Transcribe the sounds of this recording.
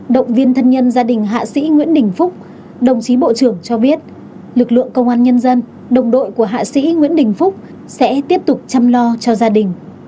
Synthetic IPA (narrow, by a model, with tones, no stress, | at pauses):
ɗə̰˧˨wŋ͡mvi˧ənt̪ʰə˧nɲə˧nzaː˧ɗï˨˩ŋ̟ɦa̰ː˧˨sḭ˧˥ŋwḭ˧˥ənɗï˨˩ŋ̟fʊ˦˥k͡p̚ | ɗə˨˩wŋ͡mt͡ɕi˨˦ɓo̰˧˨t͡ɕɨ˧˩əŋt͡ɕɔ˧ɓi˦˥ət̚ | lɨ˨˩k̚lɨ̰˧˨əŋkə˧wŋ͡mʔaː˧nɲə˧nzə˧n | ɗə˨˩wŋ͡mɗo̰˧˨jku˧˩əɦa̰ː˧˨sḭ˧˥ŋwi˧˥ənɗï˨˩ŋ̟fʊ˦˥k͡p̚ | sɛ̰˧˥t̪i˦˥əp̚t̪ʊ˨˩k͡p̚t͡ɕa˧mlɔ˧t͡ɕɔ˧zaː˧ɗï˨˩ŋ̟